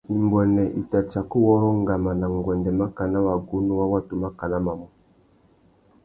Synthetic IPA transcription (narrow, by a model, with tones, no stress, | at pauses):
i˨mbɔ˨nɛ˨ʔi˨ta˨t͡ʃa˨ku˦wɔ˦ɾɔ˦ŋɡa˨ma˨na˨ŋɡwɛ˨ndɛ˨ma˦ka˨na˦wa˨ɡu˦nu˦wa˦wa˦tu˨ma˦ka˨na˦ma˨mɔ˨˦